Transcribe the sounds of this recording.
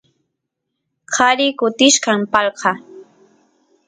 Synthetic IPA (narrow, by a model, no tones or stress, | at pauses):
qʰaɾɪkʊt̪ɪʃkampɑlqɑ